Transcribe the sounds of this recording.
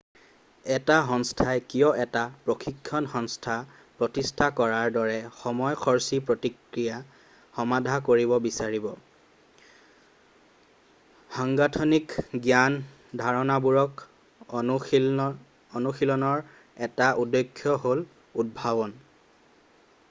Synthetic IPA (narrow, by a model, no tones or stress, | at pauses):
ɛtaxɔnstʰajkijɔɛtapɹoxikʰːɔnxɔnstʰa | pɹɔtistʰakɔɹaɹdɔɹɛxɔmɔjxʰɔɹsipɹotikɹija | xɔmadʱakoɹibɔbisaɹibɔ | haŋɡatʰɔnikɡjan | dʱaɹɔnabuɹɔk | ɔnuxilɔnɔɹ | ɛtaʔudːɔkʰːjɔɦol | ud̚bʱabɔn